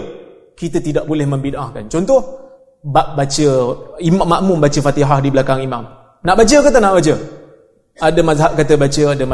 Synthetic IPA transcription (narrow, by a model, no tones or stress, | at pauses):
kit̪ət̪idaʔbolɛhməmbinʔahkant͡ʃɔnt̪ɔh | baʔbat͡ʃəimamːaʔmʊmbat͡ʃəfat̪iɦahdiblakaŋimam | naʔbat͡ʃəkət̪anaʔbat͡ʃə | adəmazɦap̚kat̪əbat͡ʃəadəm